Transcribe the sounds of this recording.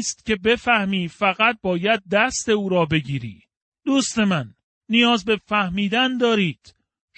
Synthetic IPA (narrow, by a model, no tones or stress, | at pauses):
st̪̚cʲe̞be̞fæhmiːfæɣæt̪̚bɒːjæd̪̚ːæst̪e̞uːɾɒːbe̞ɟiːɾḭː | d̪uːst̪e̞mænː | ijɒːzbe̞fæhmiːd̪ænd̪ɒːɾiːd̪̥